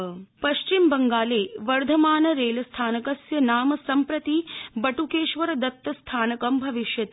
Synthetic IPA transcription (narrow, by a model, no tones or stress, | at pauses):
pɐʃt͡ʃimbɐŋɡaːleːʋɐɾd̪ʱɐmaːnɐɾeːlɐst̪ʰaːnɐkɐsjɐnaːmɐsɐmpɾɐt̪ibɐʈukeːʃʋɐɾɐd̪ɐt̪ːɐst̪ʰaːnɐkɐmbʱɐʋiʃjɐt̪